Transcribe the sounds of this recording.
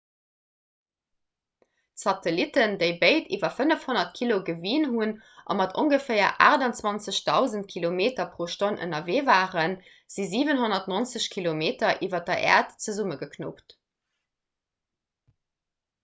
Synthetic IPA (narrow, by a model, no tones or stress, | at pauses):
sɑtəlitəndəɪbeɪtʰḭːvɐfənəfhonɐtkʰiloɡəviːnhun | ʔɑ̰mɑtʰoŋɡəfɛɪɐ̰ʔa̰ːʁdɑnt͡swɑnt͡səɕdɑʊzəntkʰilomeːtɐpʁoːʃtonʔə̰nɐveːvaːʁən | z̥iziːvənhonɐtnont͡səɕkʰilomeːtɐʔiːvɐdɐʔɛ̰ːɐtt͡səzuməɡəkʰno̰pt